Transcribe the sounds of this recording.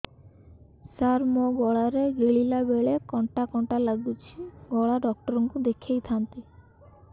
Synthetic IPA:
saɾmoɡɔɭaɾeɡeɭilabeɭekɔɳʈakɔɳʈalaɡut͡ʃʰiɡɔɭaɖɔk̚ʈɔɾɔŋkud̪ekʰejt̪ʰant̪i

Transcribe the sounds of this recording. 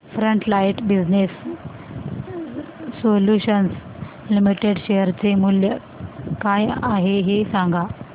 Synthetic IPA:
fɾəɳʈlajʈbid͡znes | oljuɕəns | limiʈeɽɕejəɾt͡semuljə | kajaɦeɦesãŋɡʱa

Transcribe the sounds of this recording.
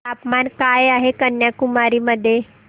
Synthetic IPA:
aːpmankaːeaːɦekənjakʊmaːɾiməd̪ʱje

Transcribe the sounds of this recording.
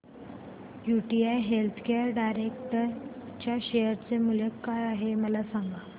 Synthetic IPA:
juʈiajɦelt̪ʰkeəɾɖajɾekʈəɾt͡ɕjaɕejəɾt͡semulekːajaɦeməlasaŋɡa

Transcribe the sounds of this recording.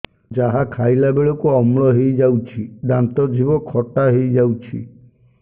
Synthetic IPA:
d͡ʒaɦakʰajlabeɭɔkuɔmɭɔɦejd͡ʒawt͡ʃʰid̪ant̪ɔd͡ʒʱibɔkʰɔʈaɦejd͡ʒawt͡ʃʰḭ

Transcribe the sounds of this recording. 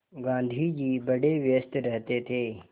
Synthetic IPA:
ɡãːnd̪ʱid͡ʑiːbɐɖeʋjəst̪ɾɐɦt̪et̪ʰeː

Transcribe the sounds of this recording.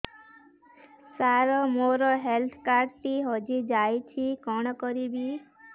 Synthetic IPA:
saɾɔmoɾɔɦelt̪ʰkaɾʈʈiɦɔd͡ʒid͡ʒajt͡ʃʰikɔɽ̃ɔkɔɾibi

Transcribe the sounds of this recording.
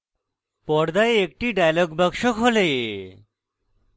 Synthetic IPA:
pɔɾd̪aeek̚ʈiɖajloɡbakʃokɦole

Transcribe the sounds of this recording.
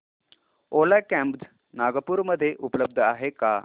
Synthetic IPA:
olajkɛ̃mpd͡z | naɡəpuːɾməd̪ʱːjeʔupləb̚d̪ʱaɦeka̰

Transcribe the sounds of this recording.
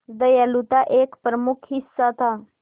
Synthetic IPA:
d̪əjalut̪aʔekpɾəmukʰɦisːat̪ʰa

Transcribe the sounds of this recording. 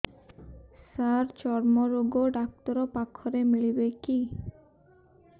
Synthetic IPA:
saɾt͡ɕɔɾmoɾoɡoɖak̚t̪oɾopakʰːɔɾemiɭibeki

